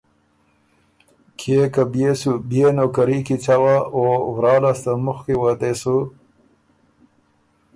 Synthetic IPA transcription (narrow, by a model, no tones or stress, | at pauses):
kʰekabjesubjenokaɾikit͡ɕawaovɾɑːlast̪amuxkiwat̪esu